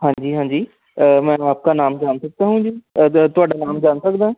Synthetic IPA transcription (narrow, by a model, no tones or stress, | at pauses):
ɦãːɲd͡ʒiːɦãːɲd͡ʒiː | mɛ̃ːaːp̚kanaːmd͡ʒaːnsək̚d̪aːɦũd͡ʒiːt̪ʊaːɖaːnaːmd͡ʒaːnsəkd̪ãː